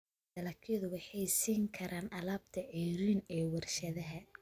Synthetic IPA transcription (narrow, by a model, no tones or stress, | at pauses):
d̪ɐlɐkʰjɐðʊwɑħɑjsiːŋkʰɐɾʔaːnʔɐlaːb̚t̪ʰɐʕiːɾiːnɛːwɐrʃɐðɐɦɐ